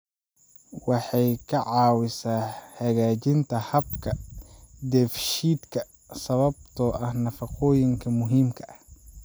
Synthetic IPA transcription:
wɑħɑjkʰɐʕɑːwɪsaːhɐɣaːt͡ʃɪnt̪ʰɐhɐbkʰɐ | d̪ɛːfʃiːd̪kʰɐ | sɐβɐb̚t̪ʰɔːʔɐhnɐfɐqɔːjɪŋkʰɐmʊɦiːmkʰɐʔɐh

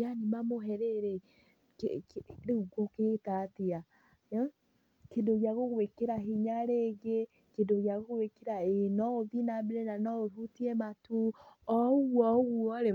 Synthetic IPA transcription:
animamoɦɛɾeɾe | ɾeɣuɡoketatia | kedoɣjaɣoɣwekeɾaɦiɲaɾeɡe | kedoɣjaɣoɣwekeɾaenɔoðinabeɾenanɔoɾutiɛmatoɔɣwɔɣwɔɾe

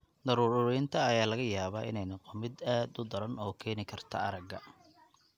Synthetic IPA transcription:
d̪ɐɾuːɾɾɛjnt̪ʰɐːjaːlɐɣɐjaːβaːɪ̰nɛjnɐqɔmɪd̪aːd̪ʊd̪ɐɾɐnɔːkʰɛːnɪkʰɐrt̪ʰɐ̰ɐɾɐɡɐ

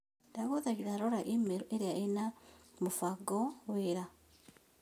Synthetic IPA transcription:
daɣoðaɣiðaɾoɾaʔimeɾoʔeɾiainamufaɡoweɾa

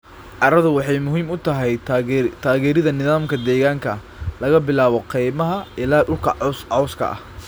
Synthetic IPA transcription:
ʕɑɾɐðʊwɑħɑjmʊɦiːmʊt̪ʰɐɦɛjt̪ʰaːɣɛːɾɪðɐnɪðaːmkʰɐd̪ɛːɣaːŋkʰɐ | lɐɣɐbɪlaːβɔqijmɐɦɐɪlaːɖʊlkʰɐsɑwskʰɐ̰ʔɐ̰h

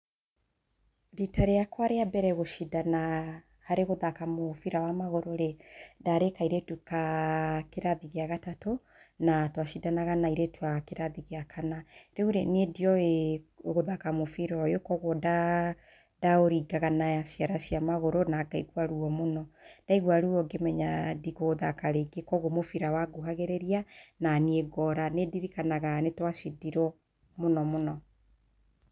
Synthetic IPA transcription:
ɾitaɾejakwaɾeabɛɾɛɣoʃidana | haɾeɣoðakamofiɾawamaɣoɾoɾedaɾekaiɾetukakeɾaðiɣeaɣatato | natwaʃidanaɣanaiɾetwakeɾaðiɣeakʰanaɾeuɾenediɔeɣoðakamofiɾɔjokɔɣwɔda | daoɾiɡaɣanasiaɾaʃiamaɣoɾonaɡaiɣwaɾuɔmonɔd̥aiɣwaɾuɔɡemɛɲadiɣoðakaɾeɡekɔɣomofiɾawaɡoɦaɣeɾeɾiananieɡɔɾanediɾikanaɣanetwaʃidiɾɔ | monɔmonɔ

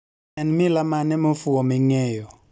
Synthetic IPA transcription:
ɛnmilamanɛmʊfuɔmiŋɛːjɔ

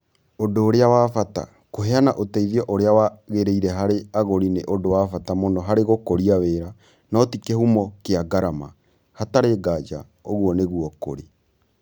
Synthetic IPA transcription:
odoːɾeawafata̰ | koɦɛanaʔotɛiðiɔʔoɾeawaɣeɾeiɾɛɦaɾeaɣoɾineʔodowafatamonɔɦaɾeɣokoɾiaβeɾa | nɔtikɛhumɔkeaɡaɾama̰ | hataɾeːɡad͡ʒa̰ | oɣwɔneɣuɔko̰ɾe

